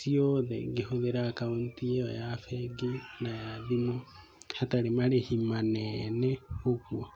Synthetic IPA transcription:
sioðɛ̰ɡeɦoðeɾakaontiɛo̰jafɛɡenajaðimo | hataɾemaɾehimanɛnɛokwo

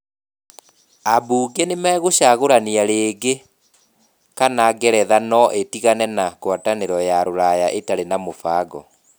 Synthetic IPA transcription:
abuːɡenemɛːɣoɕaɣoɾaniaɾeːɡe | kanaɡɛɾɛðanɔʔetiɣanɛnakwataneɾɔjaɾoɾajaʔetaɾenamofaːɡɔ̰

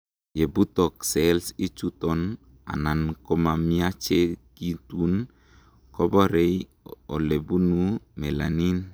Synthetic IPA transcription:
jebut̪ɔk̚sɛlsit͡ʃut̪ɔn | a̰nankɔmamiat͡ʃekit̪un | kobɔɾej | ɔlebunumela̰nin

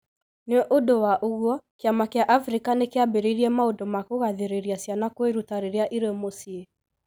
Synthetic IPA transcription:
neɛʔodowaʔoɣwɔkeamakeaʔafɾikanekeabeɾeiɾiɛmaodomakoɣaðeɾeɾiasjanakweɾutaɾeɾeaʔiɾemosie

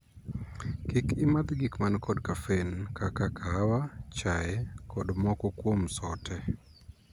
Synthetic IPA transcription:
kikɪmad̪ɡikmankɔdkafenkakakʰawat͡ʃaɛkʰɔdmɔkɔkwomsɔtʰɛ

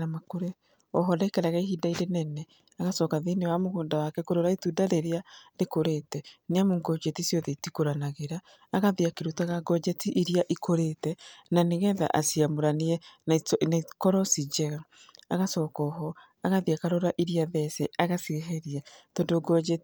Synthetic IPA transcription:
namakoɾɛ | ɔɦɔdaikaɾaɣaihidaiɾenɛnɛ | aɣasɔːkaðenewamoɣoːndawakɛkoɾoɾaetudaɾeɾeaɾekoɾetɛneamoŋɡɔd͡ʒetisjɔðɛitikoɾanaɣeɾaː | ɣaðiakeɾutaɣaɡɔd͡ʒɛtiʔiɾiaʔikoɾetɛnaneɣɛða̰ʔa̰siamoɾaniɛ | nakɔɾɔsid͡ʒɛɣa | aɣasɔːkɔːɦɔ | aɣaðiakaɾoɾaʔiɾiaðɛsɛaɣasiɣɛɦɛɾiatɔndoɡɔd͡ʒɛt

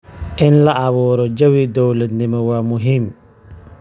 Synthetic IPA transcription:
ʔɪnlaʔaβɔːɾɔd͡ʒawid̪ɔwlat̪nimɛwamʊɦim

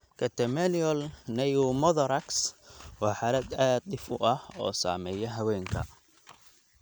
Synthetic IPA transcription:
kʰɐt̪ʰɛmɛliɔlnɛjumɔðɔɾɐkswɑːħaːlɐd̪aːd̪̚d̪ɪfʊʔɐhɔ̰ːsa̰ːmɛːjɐɦɐwɛːŋkʰɐ̰

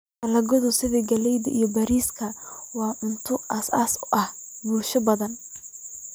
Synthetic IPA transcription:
tɐlɐɡɔðʊsɪðɛɡɐlɛjðɐ̰ʔḭjɞbɐɾiːskʰɐwɑːʔʊnt̪ʰʊʔɐsaːsʊʔɐh | buːlʃɐbɐðɐn

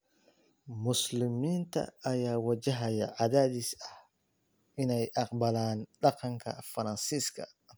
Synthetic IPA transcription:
mʊslɪmiːnt̪ʰɐ̰ːjaːwɐt͡ʃɐɦɐjɐ̰ʕɑðaːðisɐh | ʔɪnɛjʔɑqbɐlaːnɖɑqɑŋkʰɐ̰fɐɾɐnsiːskʰɐ̰

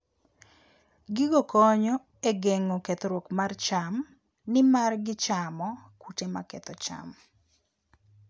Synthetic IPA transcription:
ɡɪɡɔkɔɲɔ | eɡeŋoket̪oɾwokmart͡ʃam | nɪmarɡɪt͡ʃamɔkutema̰kɛt̪ɔt͡ʃa̰m

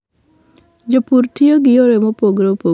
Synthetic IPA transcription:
d͡ʒopuɾtʰijoɡijoɾemɔpoɡɾopo

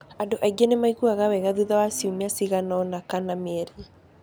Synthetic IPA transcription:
andoʔaiɡenemaiɣuaɣawɛɣaðuðawasiumiasiɣanɔnakanameɛɾe

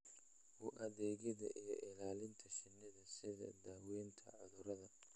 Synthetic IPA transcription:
huʔɐðɛːɣɪðɐ̰ʔijɔ̰ʔɪlaːlɪnt̪ʰɐʃɪnːɪðɐsɪðɐ̰d̪aːwɛːnt̪ʰɐ̰ʕʊðʊɾɐðɐ

